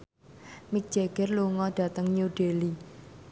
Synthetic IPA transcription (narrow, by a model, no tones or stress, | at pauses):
mik̚d͡ʒ̥eɡ̥ɛrluŋɔɖ̥ä̤t̪əŋɲuɖ̥eli